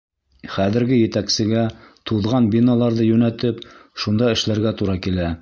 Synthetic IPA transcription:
χæðɘ̆ɾɡɘjɘ̆t̪æksɘ̆ɡæt̪uðʁɑnbʲinɑlˠɑɾðɤjɵnæt̪ɘpʃund̪ɑɘ̆ʃlæɾɡæt̪uɾɑkilæ

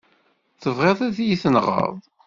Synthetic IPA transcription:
θəvʁeðˤæðjiθənʁə̰ðˤ

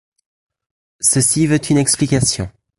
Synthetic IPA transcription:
səsivøt̪ynɛksplikʲasjɔ̰̃

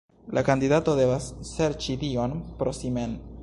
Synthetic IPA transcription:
lʔakandidato̞de̞vasːe̞ɾt͡ʃidio̞npɾosimen

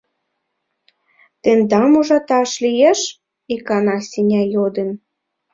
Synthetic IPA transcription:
t̪end̪ɑmuʒɑt̪ɑʃlijeʃ | ikɑnɑsʲinʲɑjod̪ə̆n

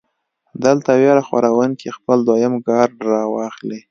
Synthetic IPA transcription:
d̪əlt̪aweɾaxwa̰ɾawənkʰexpəld̪wajɪmɡɑɾɾɑwɑxli

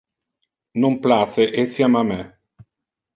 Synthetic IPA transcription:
nomplaːt̪seʔesjamamɛ

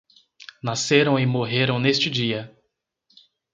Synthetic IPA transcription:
naseɾɐ̃w̃ɪmoɦeɾɐ̃w̃nest͡ʃɪd͡ʒiɐ

